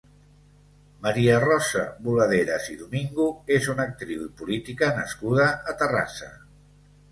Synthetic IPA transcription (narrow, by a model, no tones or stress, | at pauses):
məɾiərɔsə̰βuləðeɾəziðumiŋɡuezunək̚t̪ɾiwipulit̪ikənəskuð̞əʔːt̪əra̰sə̰